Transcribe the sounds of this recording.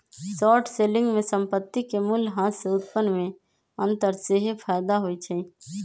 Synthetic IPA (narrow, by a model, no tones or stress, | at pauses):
sɔːʈʰselɪ̃ŋɡmẽsə̃mpət̪ːikemulɦãseʊt̪̚pənːmẽ | ə̃nt̪əɾseɦepʰaːɪd̪aɦoit͡ʃʰə